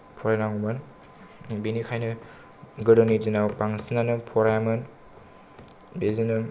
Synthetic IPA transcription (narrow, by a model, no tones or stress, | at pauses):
pʰɔɾajnaŋumɯn | binikʰajnɯ | ɡɯɾɯnizinawpaŋsinanɯpʰɔɾajamɯn | bezinɯ